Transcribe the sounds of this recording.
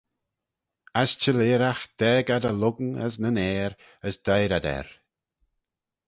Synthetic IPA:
ast͡ʃəleːɾaxd̪̥ɛːɡad̪əlʊɡnə̰s̬nənɛːɾ | əsd̪̥ajɾad̪ɛ̰ɾ

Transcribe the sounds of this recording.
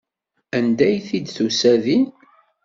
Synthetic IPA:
ænd̪æjθid̪θusæðin

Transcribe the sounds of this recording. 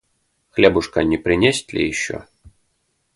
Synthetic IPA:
xlʲɛbuʂkɐnʲɛpɾɪnʲesʲt̪ʲlʲḭjɪɕːɔ̰

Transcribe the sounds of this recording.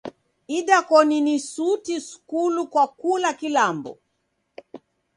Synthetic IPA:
iɗakɔninisutisu̥kulukwakulakilambɔ̰

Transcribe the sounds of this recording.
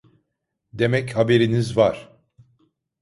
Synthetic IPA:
d̪e̞mɛchabe̞ɾinizvaɾ̥

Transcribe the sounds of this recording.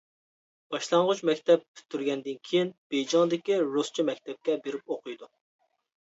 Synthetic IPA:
b̥ɑʃlˠɑɴʁʊt͡ʃmɛkʲt̪ʰɛp̚pʰy̥t̪ʰːyɾɡʲɛnd̪ɪnkʲʰejinb̥ed͡ʒɑŋd̪ɪkʲiɾust͡ʃʰimɛk̚ʲt̪ɛp̚kʲɛbeɾɪp̚oqʰɨjd̪u

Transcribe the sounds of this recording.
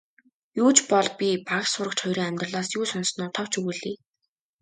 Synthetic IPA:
juːt͡ɕpɔɮpʲipaksʊɾə̆k̚t͡ɕʰɔjɾiːŋæmʲt̪rə̆ɮaːsjuːsɔnsnʊːt̪ʰɔw̥t͡ɕʰɵɣɘɮiː

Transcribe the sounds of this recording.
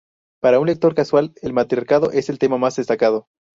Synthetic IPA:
paɾaunle̞k̚t̪o̞ɾkaswale̞lmat̪ɾjaɾkaðo̞̰ʔe̞selt̪e̞mamazðest̪akað̞o̞

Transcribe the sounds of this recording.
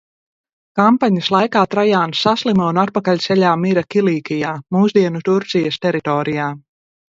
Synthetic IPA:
kampaɲaslˠajkaːt̪ɾajaːnsːaslˠimaunat̪̚pakalʲsɛʎʲaːmiɾakilˠiːkijaːmuːzd̪iɛnut̪uɾt̪sijast̪ɛɾit̪ɔːɾijaː

